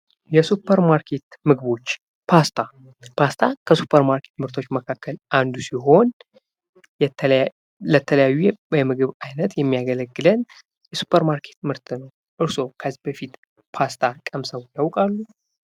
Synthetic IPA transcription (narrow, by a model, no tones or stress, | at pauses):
jɛsupʰːəɾmaɾkʰe̞t̪mɨɡɨβo̞t͡ʃː | pʰast̪ʰa | pʰast̪ʰakʰəsupʰːəɾmaɾkʰe̞̥t̪mɨɾt̪ʰo̞t͡ʃːməkʰakːəlʔand̪usiɦo̞n | lət̪ʰələjajːubəmɨɡɨβajnət̪jɛmːijaɡələɡːɨlən | jɛsu̥pʰːəɾmaɾkʰe̞t̪mɨɾt̪ʰɨnəw | ʔɨɾso̞kʰəzːihbəfit̪ | pʰast̪ʰakʼəmsəwjawkʼalːu